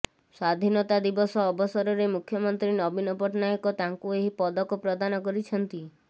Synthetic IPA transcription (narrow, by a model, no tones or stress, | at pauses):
sad̪ʱinɔt̪ad̪ibɔsɔːbɔsɔɾɔɾemukʰjɔmɔnt̪ɾinɔbinɔpɔʈnajɔkɔt̪aŋkueɦipɔd̪ɔkɔpɾɔd̪anɔkɔɾit͡ʃʰɔnt̪i